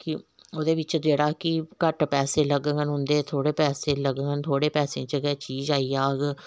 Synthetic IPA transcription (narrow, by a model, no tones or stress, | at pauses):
kɪ | oːd̪eːʋɪt͡ʃd͡ʒeːɽaːkɪkəʈpɛːseːləɡəŋənɦʊ̃nd̪eːt̪ʰoːɽeːpɛːseːləɡəɡənt̪ʰoːɽeːpɛːsẽːt͡ʃəɡɛːt͡ʃiːd͡ʒaːiːaːɡ